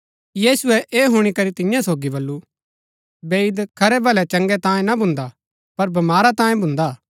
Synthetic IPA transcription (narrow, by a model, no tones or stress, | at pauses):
jiːsʊɛʔeːɦʊɽ̃ikɐɾit̪ɪ̃jãsoːɡibɐlːu | beːɪd̪kʰɐɾɛbɐlɛt͡ʃɐ̃ŋɡɛt̪ãːjẽnabʱʊ̃nd̪a | pɐɾbɐmaːɾat̪ãːjẽbʱʊ̃nd̪a